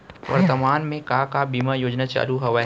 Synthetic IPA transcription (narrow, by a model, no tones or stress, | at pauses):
ʋɐ̰ɾt̪əmaːnmẽkakabiːmajoːd͡ʒnat͡ʃa̰ːluɦɐʋa